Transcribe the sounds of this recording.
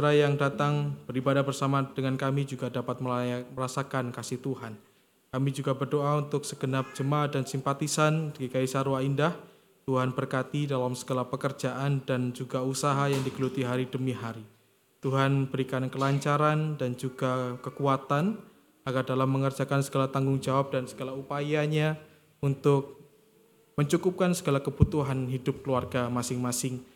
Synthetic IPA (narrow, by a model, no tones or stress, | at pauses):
aɾajaŋdat̪aŋb̥əɾibadahbərsamad̥əŋankamid͡ʒuɡadapat̪̚məməɾasakankasɪht̪uhan | kamid͡ʒuɡabərdoaunt̪ʊksəɡənap̚d͡ʒəmadansimpat̪isanɡikaisaɾwaindah | t̪uɦanbərkat̪idalamsəɡalahpəkərd͡ʒaʔandand͡ʒuɡausaɦajaŋdiɡəlut̪iɦaɾidəmiɦaɾi | t̪uɦanbəɾikankəlaɲt͡ʃaɾandand͡ʒuɡakəkuat̪an | aɡardalamːəŋərd͡ʒakansəɡalat̪aŋɡʊŋd͡ʒawap̚d̥ansəɡalaupajaɲa | unt̪ʊk̚ | məɲt͡ʃukup̚kansəɡalakəbut̪uɦanɦidʊp̚kəluarɡamasɪŋmasɪŋ